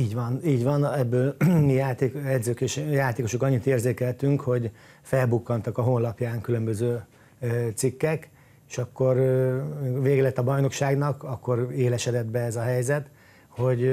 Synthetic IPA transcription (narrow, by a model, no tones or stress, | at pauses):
iːɟʋɒniːɟʋɒnɛbːøːlmijaːt̪eːkɛd̪zøːkeːʃjaːt̪eːko̞ʃokɒɲːit̪eːrzeːkɛlt̪yŋkho̞ɟ | fɛlbukːɒnt̪ɒkɒɦonlɒpjaːŋkylø̞mbøzøː | t̪sikːɛk | eʃɒkːo̞r | veːɡɛlɛt̪ːɒbɒjno̞kʃaːɡnɒkɒkːo̞ɾeːlɛʃɛd̪ɛd̪bɛɛzɒɦɛjzɛt̪ | ho̞ɟ